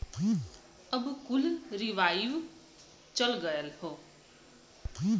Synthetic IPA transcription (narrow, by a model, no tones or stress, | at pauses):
ʌbkulɾiʋaiʋ | t͡ʃʌlɡʌjəlho